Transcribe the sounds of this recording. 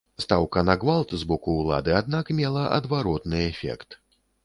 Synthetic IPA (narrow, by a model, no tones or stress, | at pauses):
st̪awkɐnaɡvalˠt̪zbɔkuːlˠa̰d̪ɨad̪̚nakmʲɛlˠɐʔɐ̰d̪vaɾɔt̪nɨɛfʲɛ̰kt̪